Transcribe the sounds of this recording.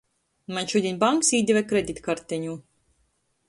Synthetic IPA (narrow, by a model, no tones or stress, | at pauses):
maɲʲʃud̪ʲinʲbaŋksiːd̪ʲɛvɛkɾed̪ʲit̪kaɾt̪ɛɲuː